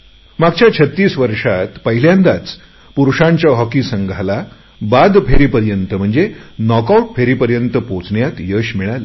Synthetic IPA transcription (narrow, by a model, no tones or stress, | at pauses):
maɡt͡ɕjat͡ɕʰət̪ːiːsʋəɾʂat̪pəɦiljãnd̪at͡s | puɾuʂãɲt͡ɕjaɦɔkisəŋɡʱala | bad̪pʰeɾiːpəɾjənt̪əm̤əɳd͡zenɔkauʈ̚pʰeɾiːpəɾjənt̪əpõt͡sɳjat̪jəɕmiɭalə